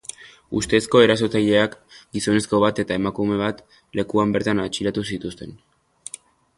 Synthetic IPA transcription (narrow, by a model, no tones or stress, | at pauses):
ust̪e̞sko̞e̞ɾaso̞t͡saʎe̞akɡiso̞ne̞sko̞β̞at̪e̞t̪ae̞makume̞β̞at̪ | le̞kuambe̞ɾt̪anat͡ʃiɾat̪usit̪ust̪e̞n